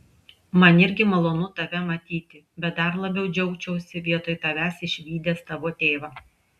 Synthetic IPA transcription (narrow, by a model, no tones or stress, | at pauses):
mɐnɪɾʲɡʲɪmɐlˠoːnʊt̪ɐʋʲɛmɐt̪ʲiːt̪ʲɪ | bʲɛt̪̚d̪ɐɾlˠɐbʲɛʊd͡ʒʲɛʊt͡ʃʲɛʊsʲɪʋʲiɛt̪oːjt̪ɐʋʲæːsɪʃʲʋʲiːd̪ʲeːst̪ɐʋoːt̪ʲeːʋɑː